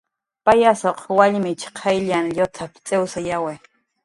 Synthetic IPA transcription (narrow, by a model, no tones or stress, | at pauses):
pajasoqʰwaʎmɪt͡ʃqʰajʎanʎot͡sʰapt͡sʼewsajawe